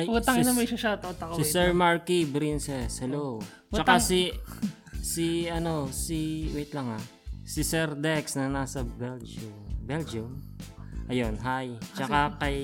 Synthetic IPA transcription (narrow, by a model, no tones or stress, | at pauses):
juɐŋɪnɐmɐʃɐʃat̪ɐot̪ɐkɐsɪɛsɛɹmaɹkibɾinsɛshɛlow | t͡ʃːɐkasi | siɐno̞siwɛt̪lɐŋa | sɪsɛɾd̪ɛksnɐnaːsɐbɛld͡ʒʊbɛld͡ʒʊm | ʔɐjonɦajt͡ʃɐkakɐj